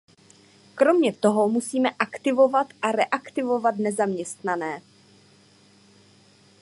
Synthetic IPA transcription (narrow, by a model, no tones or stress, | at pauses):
kɾo̞mɲɛt̪o̞ɦo̞musiːmɛʔakt̪ɪvo̞vat̪ʔaɾɛʔakt̪ɪvo̞vat̪nɛzamɲɛst̪nanɛː